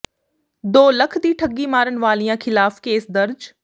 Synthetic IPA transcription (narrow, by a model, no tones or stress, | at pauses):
d̪oːləkʰd̪iːʈʰəɡiːmaːɾənʋaːlijãːkʰɪlaːfkeːsd̪ɐɾd͡ʒ